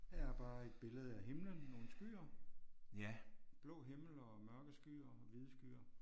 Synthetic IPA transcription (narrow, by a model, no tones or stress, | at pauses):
jɑb̥ɑ̈ːe̝d̥̚b̥e̝ləð̞̩ˠəæɦe̝mlənːo̝ːn̩sɡ̥y̰ːɐ | jæb̥lɔ̰ːɦeml̩ɒmɶɐɡ̥əsɡ̥y̰ːɐʋiðˠsɡ̥y̰ːɐ